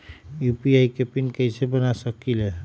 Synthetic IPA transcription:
jupiajkepinkəjsebənasəkile

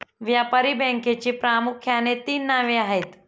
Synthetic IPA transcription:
ʋjaːpaɾibɛ̃ŋket͡ɕipɾaːmʊkʰjanet̪iːnːaʋeaːɦet̪

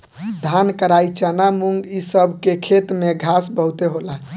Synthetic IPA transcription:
d̪ʱankəɾait͡ʃanamuŋɡisəbʱkekʰet̪meɡʱasbəɦut̪eɦola

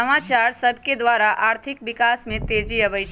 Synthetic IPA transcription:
əmat͡ʃaɾsəbʱked̪ʋaɾaʔaɾt̪ʰik̚bikasmẽt̪ed͡ʒiəβɛjt͡ʃʰ

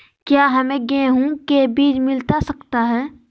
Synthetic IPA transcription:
kjaːɦɐmẽɡẽɦũkebiːd͡ʒmɪlt̪asɐkt̪aɦɛː

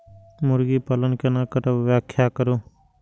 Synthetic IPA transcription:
mʊɾɡiːpalənkenaːkəɾəʋjaːkʰjaːkəɾoː

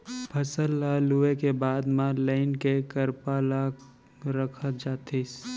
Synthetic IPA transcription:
pʰɐsəlːaːluekebaːd̪mãləɪnkekəɾpalaɡ | ɾəkʰət̪̚d͡ʒaːt̪es

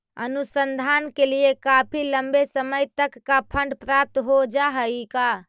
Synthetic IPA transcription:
ənusənd̪ʱankeliekapʰiləmbesəməjt̪əkːapʰəɳɖpɾap̚t̪ɦod͡ʒaɦəjka

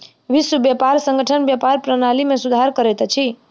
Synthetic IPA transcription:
ʋɪswəbjəpaɾsə̃ŋɡəʈʰənbjəpaɾpɾənalimẽsud̪ʱaɾkəɾɛt̪t͡ʃʰi

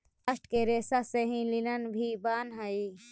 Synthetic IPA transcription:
əsʈʰkeɾeːsaseɦĩlɪnənbʱibaːnɦai

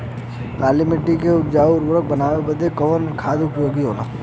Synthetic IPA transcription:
kaːlimɪʈːikeʊpd͡ʒaːʊɾbɾək̚bənaːʋebəd̪ʱekəənkʰaːd̪ʊpjoːɡiɦoːna̰ː

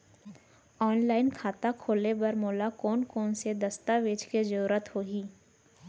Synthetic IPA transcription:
ɔːnlaːɪnkʰaːt̪akʰoːlebɐɾmɔːlakɔːnkɔːnsed̪əst̪aʋeːt͡ʃked͡ʒəɾuːɾət̪hoːɡiː

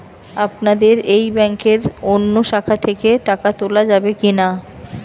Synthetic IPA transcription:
apnad̪eɾejbɛŋkeɾonːoʃakʰat̪ʰekeʈakat̪olad͡ʑabekina

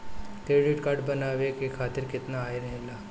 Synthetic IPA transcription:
teːɖiːʈkaːɾɖbɐnaːʋekekʰaːt̪ɪɾkɪt̪naːeɾɐɦelaː

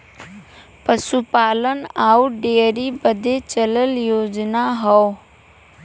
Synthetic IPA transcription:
pəsupaːlənaːuɖeɾibəd̪ʱet͡ʃələljoːd͡ʒnaɦɔw

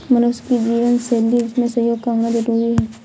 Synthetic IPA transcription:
mɐnʊʃkid͡ʒiːʋənsɛːlːiʊsmẽsɐɦjoːɡkaːmnazəɾuːɾiɦɛː

